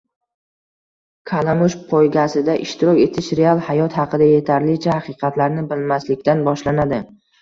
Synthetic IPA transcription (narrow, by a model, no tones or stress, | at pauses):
kʰalamʊʃpʰojɡʲasɪd̪aʔɪʃt̪ʰɪɾɒkʲe̞t̪ʰɪʃɾe̞alˠhajɒt̪hɑqɨd̪aje̞t̪ʰaɾlɪt͡ʃʰahaqɨqʰɑt̪laɾnɪbɪlmaslɪkʲt̪anbɒʃlanad̪ɪ